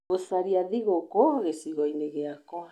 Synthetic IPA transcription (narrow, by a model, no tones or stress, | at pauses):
osaɾiaðiɣokoɣesiɣoineɣeakoa